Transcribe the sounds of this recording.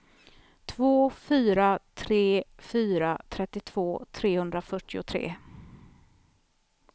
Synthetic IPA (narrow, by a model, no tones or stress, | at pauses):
t̪ʰvoːfyːɾat̪ʰɾeːfyːɾat̪ʰɾɛt̪ːɪt̪ʰv̥oːt̪ʰɾeːhɵnd̪ɾafœʈːɪʊt̪ʰɾḛː